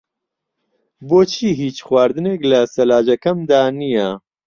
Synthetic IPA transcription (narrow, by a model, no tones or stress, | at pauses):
boːt͡ʃʰiːɦiːt͡ʃxwaːɾd̪ɨneːklɐsɐlaːd͡ʒɐkɐmd̪aːnijɐ